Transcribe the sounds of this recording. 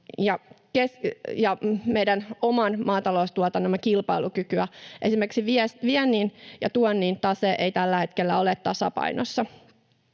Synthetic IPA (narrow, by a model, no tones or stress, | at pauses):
jɑkesjɑmejdænomɑnmɑːt̪ɑloust̪uɑt̪ɑnːomːɑkilpɑilukykyæʔe̞simerksiʋiesʋiɛnːiːnjɑt̪uɔnːiːnt̪ɑseʔeit̪ælːæhe̞t̪kelːæolet̪t̪ɑsɑ̰pɑ̰inosːɑ